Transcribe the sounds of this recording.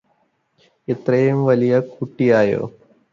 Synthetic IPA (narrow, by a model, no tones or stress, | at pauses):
et̪rɐjumʋɐlijɐkuʈːijaːjo̰ː